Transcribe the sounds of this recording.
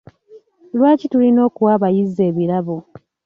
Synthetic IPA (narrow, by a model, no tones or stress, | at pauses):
lwaːcitulino̞ːkuwaːβajizːe̞ːβiɾaβo